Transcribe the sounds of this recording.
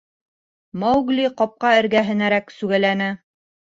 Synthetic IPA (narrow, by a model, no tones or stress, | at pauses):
mɑwɡlʲiqɑp̚qɑɘ̆ɾɡæɦɘ̆næɾæksʉɡælænɘ